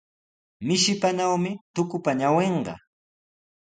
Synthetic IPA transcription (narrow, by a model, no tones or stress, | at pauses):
mɪʃɪpanawmɪt̪ʊkʊpaɲaweɴɢɑ̰